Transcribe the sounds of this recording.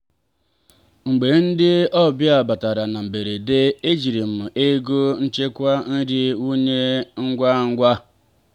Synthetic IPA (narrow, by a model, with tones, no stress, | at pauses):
ŋ͡m̩˨ɡ͡be˨n̩˦dɪ˦ɔ˦bja˨ba˨ta˨ɾa˨na˨m̩˨be˨ɾe˨de˦e˦d͡ʒi˨ɾi˨m̩˦˨e˦ɡo˦n̩˦t͡ʃe˦kʷa˦n̩˦ɾɪ˦u˦ɲe˦ŋ̩˦ɡʷa˦ŋ̩˦ɡʷa˦